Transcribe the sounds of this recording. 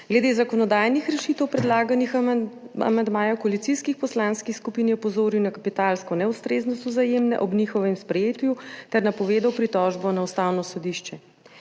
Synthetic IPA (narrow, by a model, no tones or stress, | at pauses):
ɡlɛd̪eːzakɔnɔd̪aːjnixɾɛʃiːt̪ɛwpɾɛd̪laːɡanixa̰mand̪maːjawkɔalit̪siskixpɔslaːnskixskupinjɛɔpɔzoːɾiwnakapit̪alskɔnɛwst̪ɾeːznɔst̪ɔzajeːmnɛ̰ʔɔbnixɔʋɛmspɾɛjeːt̪jut̪ɛɾnapɔʋeːd̪awpɾit̪ɔʒbɔnaust̪aːwnɔsɔd̪iʃt͡ʃɛ